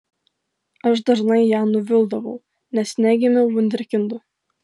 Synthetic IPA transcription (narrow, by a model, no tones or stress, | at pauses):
ɐʃd̪ɐʒnɐɪjæːnʊʋʲɪlˠd̪ɐʋɐʊ | nʲɛsʲnʲæːɡʲɪmʲɛʊʋʊnʲd̪ʲɛɾʲkʲɪnd̪ʊ